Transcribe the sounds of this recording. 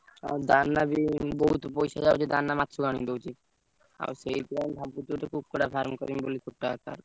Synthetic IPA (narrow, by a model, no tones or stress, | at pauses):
a̰d̪anːabiboɦut̪opojʃad͡ʑaod͡ʑed̪anːamat̪ːʃoɡaɽ̃id̪owt͡ɕi | a̰sejt̪ɾanbʱabːuuʈekʰub̚koɾafʰaɾmkɔ̰ɾimbolikʰupʈːaka̰ɾ